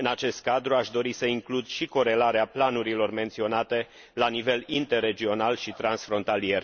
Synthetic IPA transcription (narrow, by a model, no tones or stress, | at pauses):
ɨnat͡ʃe̞st̪̚kad̪ɾuaʃd̪o̞ɾisəiŋklud̪ʃiko̞ɾe̞laɾeaplanuɾilo̞rme̞nt̪sio̞nat̪e̞ | lanive̞lint̪e̞rːe̞d͡ʒio̞nalʃit̪ɾansfɾo̞nt̪alie̞r